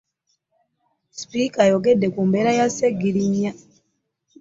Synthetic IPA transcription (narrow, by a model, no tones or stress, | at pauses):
spikajoɡedːekuːmbeːɾajaseɡiɾiɲːa